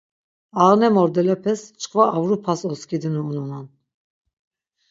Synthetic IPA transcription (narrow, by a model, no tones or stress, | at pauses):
aʁnɛmɔɾd̪ɛlɛpʰɛst͡ʃʰʼqʼvaːvɾupʰasɔskʰid̪inuːnunan